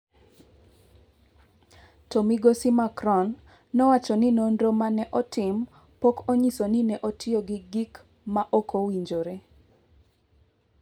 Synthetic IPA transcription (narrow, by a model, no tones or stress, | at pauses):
tomiɡosimakɾɔnː | ɔwat͡ʃɔnɪnondomanɛʔɔtɪm | pokoɲisonɪnɛʔotɪoɡɪɡik | maʔokʰowiɲd͡ʒoɾe